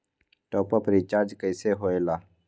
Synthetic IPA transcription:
ʈoːpəpɾiːt͡ʃaːɾd͡ʒkəɪseːɦoːeːlaː

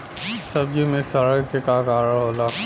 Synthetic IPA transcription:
sɐb̚d͡ʒimẽsɐɾəɡkekaːkaːɾəɦoːlaː

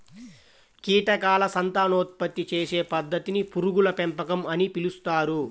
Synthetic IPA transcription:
kiːʈɐkaːlɐsɐnt̪aːnoːt̪̚pɐt̪ːit͡ʃeːse̞ːpɐd̪ːɐt̪inipuɾuɡulɐpempɐkɐmɐnipilust̪aːɾu

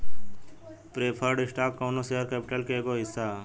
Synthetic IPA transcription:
pɾeːpʰəɾɖɪsʈaːkːoːnoseːəɾkɛːpɪʈəlkeekoɦɪsːaː

